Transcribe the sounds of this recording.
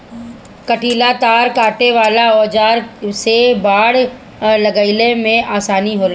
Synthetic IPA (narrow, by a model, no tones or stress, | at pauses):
kəʈʰiːlat̪aːɾkaːʈeʋaːlaɔːd͡ʒaːɾsebaːɽ | ləɡaɪlemẽʔaːsaːniɦoːla